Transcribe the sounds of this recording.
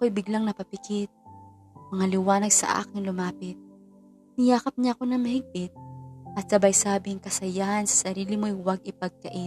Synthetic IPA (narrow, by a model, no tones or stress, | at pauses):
ɐkojbɪɡlaŋnɐpɐpɪkɪt̪̚ | mɐŋalɪwaːnɐɡ̚sɐ̰ʔa̰ːkɪŋlʊmaːpɪt̪̚ | nɪjaːkɐp̚ɲaɐko̞nɐŋmɐhɪɡ̚pɪt̪̚ʔɐt̪̚sɐbɐjsaːbɪŋkɐsɐjahɐnsɐ̥sɐɾiːlɪmoʔjwɐɡ̚ʔɪpɐɡ̚kɐʔɪ